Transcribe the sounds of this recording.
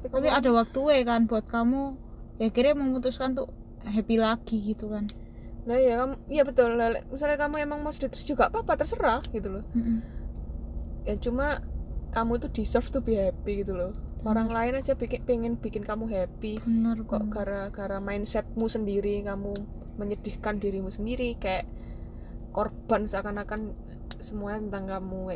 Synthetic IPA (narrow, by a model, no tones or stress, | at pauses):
t̪apik̪apiadawak̚t̪uekanbuat̪̚kamu | jakiɾeməŋmut̪ʊskant̪u | ɦɛpilaɡ̥iɡit̪ukan | najakamuijabət̪ʊllɛl̰misalɲakamuemaŋmɔsd̥it̪ɾʊsdd͡ʒ̥uɡaʔpapat̪ərsəɾahɡ̥it̪ulɔm̩ʔm̩ | jaŋt͡ʃumakamuit̪ud̥isərft̪ub̥iɦɛpiɡit̪ulɔoɾaŋlaɪnḁd͡ʒabikpeŋɪnb̥ikɪnkamuɦɛpikɔ̰ʔɡ̥aɾaɡ̥aɾamaɪnsɛt̪̚musəndiɾikamu | məɲəd̥ɪ̤hkandiɾimusəndiɾikajaʔ | korb̥a̤nsakanakan | səmuaɲat̪ənt̪aŋkamu